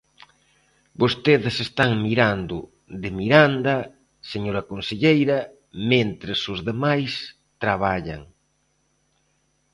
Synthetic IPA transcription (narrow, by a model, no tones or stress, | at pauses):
bost̪eðɪsest̪aŋmiɾand̪ʊ | d̪emiɾand̪ɐ | seɲoɾɐkonseʎejɾɐ | mẽnt̪ɾesozðemajs | t̪ɾaβ̞aʎa̰ŋ